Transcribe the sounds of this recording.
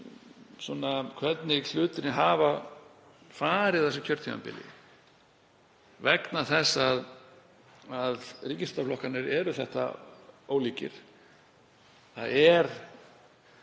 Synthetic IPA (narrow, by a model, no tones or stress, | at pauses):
sɔnakʰvɛt̪nɪɬʏːt̪ɪɾnɪɦaːva | faːɾɪðθɛsʏcʰœɾt̪ʰia̰mpɪ̰lɪ̰ | vɛknaθɛsːað | aðriːcɪst̪aflɔhkanɪɾɛɾʏθɛht̪a̰oːwliːcɪ̰ɾ̥ | θa̰ðɛɾ̥